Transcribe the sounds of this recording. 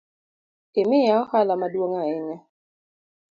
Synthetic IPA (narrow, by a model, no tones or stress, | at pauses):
ɪmɪjaɔhalamadwoŋaɪɲɛ